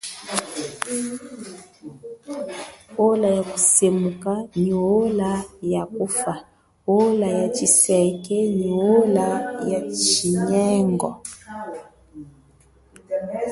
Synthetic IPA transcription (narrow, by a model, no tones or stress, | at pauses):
olajakusemukaniolajakufa | olajat͡ʃisɛkɛɲiolajat͡ʃiɲɛŋɡɔ